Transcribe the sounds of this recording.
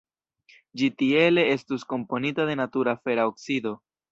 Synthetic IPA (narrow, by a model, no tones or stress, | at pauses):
d͡ʒitie̞le̞e̞stusko̞mpo̞nitade̞natuɾafe̞ɾaoksid̪o̞